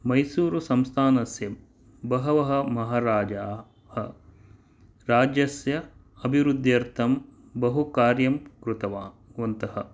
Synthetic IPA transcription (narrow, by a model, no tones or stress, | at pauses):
mɐjsuːɾusɐmst̪ʰaːnɐsjɐ | bɐɦɐʋɐɦɐ̆mɐɦaːɾaːd͡ʒaː | hɐ | ɾaːd͡ʒjɐsjɐ | ɐbʱiʋɾud̪ʱjɐɾt̪ʰɐm | bɐɦukaːɾjɐmkɾut̪ɐʋaː | ʋɐnt̪ɐhɐ̆